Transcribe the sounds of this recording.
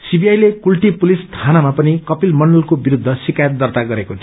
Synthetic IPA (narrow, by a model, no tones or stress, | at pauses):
sibiajlekulʈipulist̪ʰanamapʌnikʌpilmʌɳɖʌlkobiɾud̪ʱːʌsikajʌt̪̚d̪ʌrt̪aɡʌɾekot̪ʰi